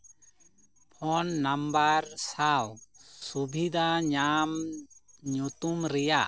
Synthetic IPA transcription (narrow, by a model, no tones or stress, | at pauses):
pʰɔnːambaɾsawsubʱid̪ʱaɲam | ɲut̪umɾɛjaʔ